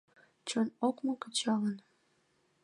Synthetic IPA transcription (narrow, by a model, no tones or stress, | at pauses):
t͡ɕonokmokə̆t͡ɕɑlən